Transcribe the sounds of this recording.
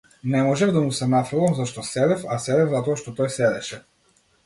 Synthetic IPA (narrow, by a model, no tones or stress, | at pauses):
nɛmɔʒɛvd̪amusɛnafɾɛlˠamzaʃt̪ɔsɛɾɛfasɛɾɛvzat̪ɔaʃt̪ɔt̪ɔjsɛɾɛʃɛ